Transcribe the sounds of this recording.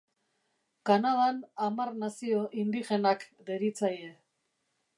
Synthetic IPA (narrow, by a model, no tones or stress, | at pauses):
kanaðanamarnasio̞ʔind̪ixe̞nakd̪e̞ɾit͡saje